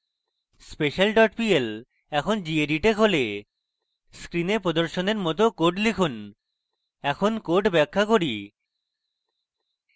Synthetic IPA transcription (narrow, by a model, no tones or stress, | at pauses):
speʃalɖɔʈpiel | ɛkʰond͡ʑieɖiʈekɦole | skɾinepɾod̪oɾʃoneɾmɔt̪̬okoʈlikʰun | ɛkʰonkoʈbɛkʰːakoɾi